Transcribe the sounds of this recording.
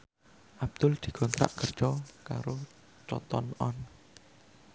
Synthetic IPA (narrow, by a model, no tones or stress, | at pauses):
ʔab̚d̪̥ʊld̪̥i̤ɡ̥ɔnt̪ɾa̰ʔɡ̥ər̥t͡ʃɔkaɾo | t͡ʃɔ̰t̪ɔnʔɔn